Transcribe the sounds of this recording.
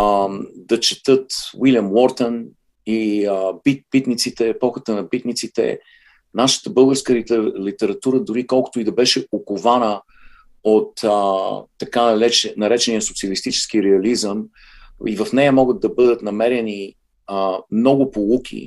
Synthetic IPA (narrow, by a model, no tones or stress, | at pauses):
d̪ɐt͡ʃɛ̥t̪ɤt̪wiljɐmwɔɾt̪ən | iəbipit̪nit̪sit̪ɛːpɔxət̪ənɐpit̪nit̪sit̪ɛ̰ | naʃə̥t̪əbɤlˠɡəɾskəllit̪ɛɾɐt̪uɾəd̪ʊɾikɔlˠkʊ̥t̪oid̪ɐbɛʃɛokovanə | ot̪ː | ɐkanɐɾɛt͡ʃnɐɾɛt͡ʃɛnijəsʊ̥pt̪siɐlist̪it͡ʃɛ̥sk̟iɾɛɐlizəm | ivəfnɛjəmɔɡəd̪̚d̪ɐbɤd̪ət̪nɐmɛɾɛni | əmnɔɡʊpolˠukʲʰḭ